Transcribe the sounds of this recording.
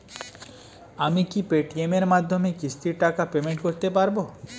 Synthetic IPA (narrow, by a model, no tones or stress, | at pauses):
amikipeʈiemeɾmad̪ʱːomekist̪ʰiɾʈakapemeɳʈkoɾt̪epaɾbo